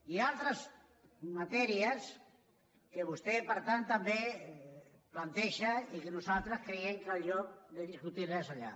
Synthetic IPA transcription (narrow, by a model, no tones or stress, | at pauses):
ialt̪ɾaz | mat̪ɛɾias | keβust̪epaɾt̪ant̪ːambe | plant̪eʃaikenusalˠt̪ɾaskɾeeŋkalʎɔk̚d̪eðiskut̪irɛsaʎa̰